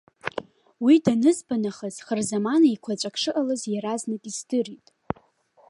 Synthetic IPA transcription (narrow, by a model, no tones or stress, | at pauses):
widanɨzbanaχaz̥χərzamanaikʷʰat͡ʃʷʼakʰʂɨʔalɨzjaɾaznakʼisdɨritʼ